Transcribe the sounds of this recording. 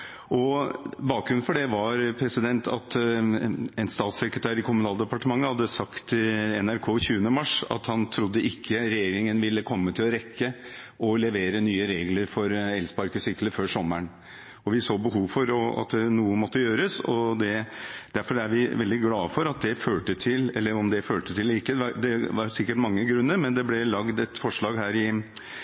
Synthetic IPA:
ʔɔbɑːk̚ɡɾʉn̩fɔɖɛʋɑɾpʰɾɛsɪd̪ɛnt̪ʰɑ̰t̪ | ɛnst̪ɑːt̪sɛkɾət̪ʰæːɾɪkʰʊmʉnɑːld̪əpɑʈəmɑŋːəhɑd̪ːəsɑkt̪ɪɛnæɾkʰoːçʉːənəmɑʂɑ̰t̪hɑnt̪ʰɾʊd̪ːəʔɪkʰːəɾɛjeːɾɪŋənʋɪlːəkʰɔmːət̪ʰɪlɔɾɛkːə | ɔlɛʋeːɾənyːəɾeːɡləɾfɔɾɛlspɑɾkəsʏkləføːʂɔmːəɳ | ɔʋɪsoːbəɦuːʋfɔɾɔɑ̰t̪d̪ɛnuːəmɔt̪ːəjøːɾəsɔ̰d̪ɛd̪̥æɾfɔɾæɾʋɪʋɛld̪ɪɡlɑːfɔɾɑt̪̚d̪ɛføːʈət̪ʰɪlɛ̰lːəɾɔmd̪ɛføːʈət̪ʰɪlːɾɪkːəɑd̪ɛʋɑɾsɪkːəʈmɑŋːəɡɾʉnːəɾmɛnd̪ɛblɛlɑɡd̪ɛt̪fɔʂɭɑːɡɦæːɾɪ

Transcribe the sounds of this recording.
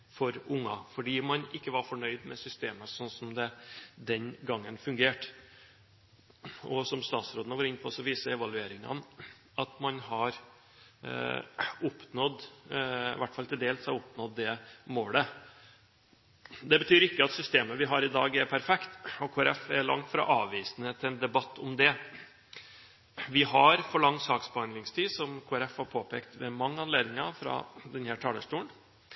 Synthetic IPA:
fɔɾʊŋːɑfɔɖiːmɑnʔɪkːəʋɑɾfɔɳœʏd̪mɛsʏst̪eːməsɔnsɔmd̪ɛd̪ɛnɡɑŋːənfʉŋɡeːʈ | ɔsɔmst̪ɑːt̪sɾoːd̪ənəʋoːɾɪnpʰɔsɔʋiːsəɛʋɑlʉeːɾɪŋɑ̰n | ɑt̪mɑnɦɑɾ | ʊpnɔd̪ | ɪʋæʈːfɑlt̪ʰɪld̪eːlshɑʊpnɔd̪ːɛmoːlə | d̪ɛbət̪ʰyːɾɪkːəɑt̪sʏst̪eːməʋɪɦɑɾɪd̪ɑːɡɛɾpʰæɾfɛkt̪ɔkʰoːæɾɛfɛɭɑ̰ŋt̪fɾɑ̰ːʔɑːʋʋiːsnət̪ʰɪlɛnd̪ɛbɑt̪ʰːʊmd̪ɛ | ʋɪɦɑɾfɔɭɑŋsɑːksbəhɑnd̪ɪŋst̪ʰiːsɔmkʰoːæɾɛfhɑɾpʰoːpeːkt̪ʋɛmɑŋːəɑnleːd̪nɪŋɑfɾɑ̰d̪ɛnhæːʈʰɑːləʂʈuːɳ

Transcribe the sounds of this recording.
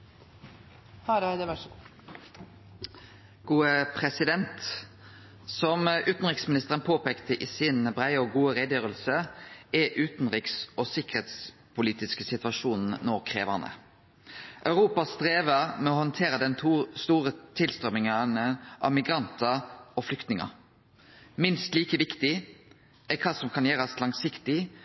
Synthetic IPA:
h | ɡ̥uːəpʰʁɛsɪd̪ɛnt̪ | sɔmʔʉːt̪n̩ʁɪksmɪnɪst̪əʁənpʰoːpeːkt̪ʰəʔiːsɪnbʁæɪɔɡuːəʁed̪jøːʁəlsəɛʔʉːt̪n̩ʁɪksɔsɪkəʁeːt̪s | pʰʊliːt̪ɪskəsɪt̪ʋɑʂuːnn̩nɔʁkʰʁḛːʋəʁnə̰ | ʔœʉʁuːpɑst̪ʁeːʋəʁmɛɔhɔnt̪ʰeːɾəd̪ɛnʰst̪uːʁət̪ʰɪlst̪ʁœmɪŋɑnəʔɑ̰ʋmɪɡʁɑnt̪ʰəʁɔflʏkt̪nɪŋɑ̰ | mɪnst̪liːkəʋɪkt̪ɪ | ʔɛkʰɑːsɔmkʰɑnjeːʁɑslɑŋsɪkt̪ɪ

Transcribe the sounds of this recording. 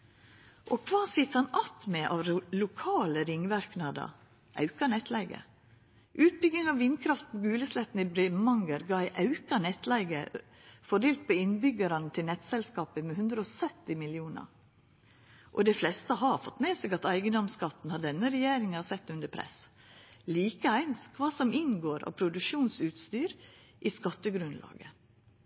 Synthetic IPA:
ʔɔkʰʋɑːsɪt̪hɑnɑt̪mɛʔɑ̰ːʋlʊkʰɑːləɾɪŋːʋæɾknɑd̪ɑ̰ | ʔɑ̰ʉkɑnɛt̪lɛɪɡə̰ | ʔʉːt̪̚bʏɡ̪ɪŋɑʋʋɪnkʰɾɑft̪̚pʰoɡʉːləslɛt̪ːn̩ɪbɾɛmɑŋɡəɾɡɑæɪʔɑʉkɑnɛt̪ːlæɪɡə | fɔd̪eːlt̪̚pʰoɪnbʏɡɑɾɑnət̪ʰɪlnɛt̪sɛlskɑːpəmɛhʉnd̪ɾəɔsœt̪ːɪmɪlɪuːnɑ̰ɾ | ʔɔd̪ɛɪflɛst̪əɦɑɾfɔt̪ːmeːsɛɡɑt̪æɪɡənd̪ɔmskɑt̪ːn̩hɑɖɛnːəɾɛjeːɾɪŋɑsɛt̪ːʉnd̪əpʰɾɛ̰s | liːkəæɪnskʰʋɑːsɔmɪnɡoːɾɑ̰ʋpʰɾʊd̪ʉkʃuːnsʉːt̪st̪yːɾʔiskɑt̪ːəɡɾʉnlʔɑ̰ːɡə̰

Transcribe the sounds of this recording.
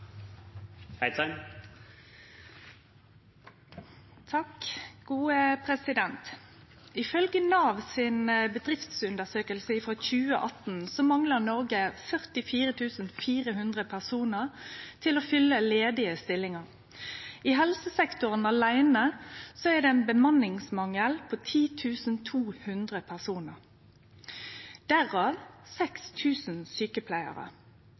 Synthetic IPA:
hæɪt̪ʰɑ | t̪ʰɑkɡ̥uːəpʰʁɛsɪd̪ɛnt̪ | ɪfœlɡənɑːʋsɪnbəd̪ʁɪft̪sʉnd̪əʁsøːkəlsəɪfʁoçʉːə̰ʔɑt̪n̩sɔmɑŋləʁnɔʁɡəfœʁt̪ɪfiːʁət̪ʰʉːsn̩fiːʁəɦʉnd̪ʁəpʰæʁsuːnəʁt̪ʰɪloːfʏlːəleːd̪ɪəst̪ɪlːɪŋəʁ | ɪɦɛlsəsɛkt̪ʊʁənɑlæɪnəsoɛʁd̪ɛɛnbəmɑnɪŋsmɑŋəlpʰoːt̪ʰiːt̪ʰʉːsnt̪ʰuːhʉnd̪ʁəpʰæʁsuːnəʁ | d̪̥æʁɑːʋsɛkst̪ʰʉːsn̩syːkəpʰlæɪə̰ʁə̰

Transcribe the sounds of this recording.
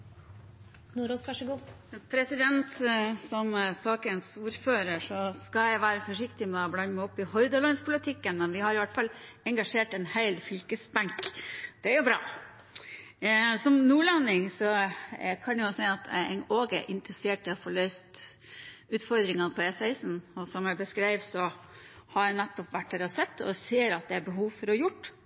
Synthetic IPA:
nuɾosʋɑʂɡuː | pʰɾɛsɪd̪ɛnt̪sɔmsɑːkənsuːɾføːɾəʂɔskɑjæɪʋæːɾəfɔʂɪkt̪ɪmɛblɑnmɪɔpːɪhɔʏd̪əlɔnspʰʊlɪt̪ʰɪkːənmɛnʋɪhɑɾɪʋæʈfɑlɛŋɡɑʂeːʈɛnhæɪlfʏlkəsbæŋkd̪̥ɛæɾjʊbɾɑ̰ː | sɔmnuːlɑnːɪŋsɔkʰɑnɛjʊsæɪɑt̪ɛ̰noːɡɛ̰ʔɪnt̪əɾəseːʈʰːɪlɔfoɭœʏst̪ | ʉːt̪fɔɾd̪ɾɪŋɑnpʰɔesæɪsn̩ɔsɔmjæɪbəskɾæɪʋsɔ | hɑɾænɛt̪ːɔpʋæʈdɛɾɑsɛt̪ːɔ̰seːɾɑt̪̚d̪ɛæɾbəɦuːʋfɔɾɔjʊʈː

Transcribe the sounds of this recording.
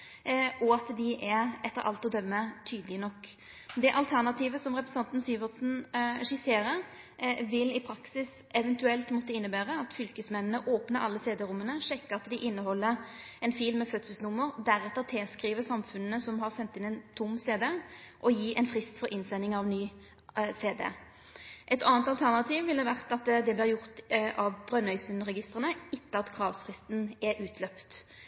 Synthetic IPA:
ɔɑt̪d̪ɪʔɛɛt̪ːəɾʔɑ̰lt̪ɔd̪œmːət̪ʰyːd̪lɪnɔkː | d̪ɛʔɑlt̪ʰæʁnɑt̪ʰiːʋəsɔmʁɛpɾɛsə̥ɑnt̪n̩syːʋəʁt̪sn̩ɛʂɪseːɾəɾ | ʋɪlɪpʰɾɑksɪs | ɛʋɛnt̪ʉɛlt̪mɔt̪ːəɪnːəbæːʁəɑt̪fʏlkəsmɛnnəʔoːpnəɾʔɑ̰lːəseːd̪əɾʊmːənəʂɛkːəɑt̪d̪ɪʔɪnːəhɔlːəɾ | ɛnfɪlmɛfœt̪səsnʊmːəɾd̪æʁɛt̪ːəʁt̪ʰeːskʁiːʋəsɑmfʉnnəsɔmɦɑʁsɛnt̪ːɪnɛɪnt̪ʰʊmːseːd̪eːʔɔjiːʔɛnfʁɪst̪fɔʁʔɪnsɛnɪŋɑʋnyː | seːd̪ḛː | ʔɛt̪ʰɑːnt̪ɑlt̪ʰæʁnɑt̪ʰiːʋʋɪld̪ɛʋæʁt̪ɑt̪d̪ɛblɪːʁjʊʁt̪ʔɑʋbʁœnœʏsənʁɛɡɪst̪ʁənəɪt̪ːəɑt̪kʰʁɑːʋsfʁɪst̪n̩ɛʔʉːt̪ʰlœpt̪

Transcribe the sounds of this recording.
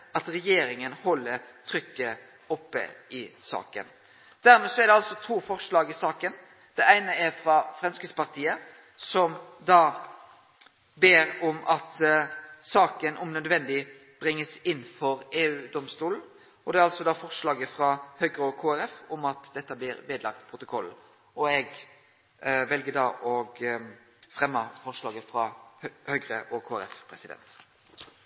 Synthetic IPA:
ɑt̪ɾɛjeːɾɪŋənhɔlːəɾt̪ʰɾʏkːə | ɔpːə̰ɪsɑ̰ːkə̰n | d̪̥æɾmɛːsɔæɾɖ̪ɛɑlsɔt̪ʰuːfɔɾʂɭɑːɡɪsɑːkən | d̪̥ɛæɪnəɛɾfɾɑfɾɛmskɪt̪spɑʁt̪ʰiːə | sɔmd̪ɑː | beːɾɔmʔɑt̪ | sɑːkənʔʊmnœd̪ʋɛnd̪ɪ | b̥ɾɪŋːəsɪnːfɔɾeːʉːd̪ɔmst̪uːln̩ | ɔd̪ɛæɾɑlsɔd̪ɑːfɔɾʂɭɑːɡəfɾɑhœɡɾəɔkʰoːæɾɛfɔmɑt̪d̪ɛt̪ːəblɪːɾʋeːd̪lɑk̚t̪pʰɾʊt̪ʊkʰɔl | ɔɛɡ | ʋɛlɡəd̪ɑːʔɔɡ | fɾɛmːəfɔʁʂlɑːɡəfɾɑhœɡɾəʔɔkʰoːæ̰ɾɛfpʰɾɛsɪd̪ɛ̰nt̪

